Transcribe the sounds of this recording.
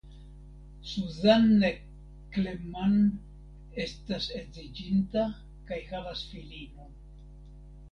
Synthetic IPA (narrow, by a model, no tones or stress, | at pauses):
suzanːe | kleman | estasezid͡ʒinta | kajhalasfilino